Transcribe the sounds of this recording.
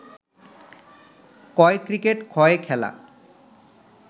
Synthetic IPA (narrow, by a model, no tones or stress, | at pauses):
kɔekɾikeʈkʰɔekʰɛla̰